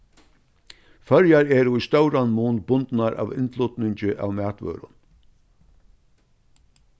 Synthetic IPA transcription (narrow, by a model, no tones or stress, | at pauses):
fœɾjaɾɛːɾʊjst̪œwɾanmuːnbʊnt̪naɾʔa̰ːʋɪ̰nt̪lʊt̪nɪɲt͡ʃɪʔa̰ːwmæːt̪ʋœ̰ːɾʊ̰n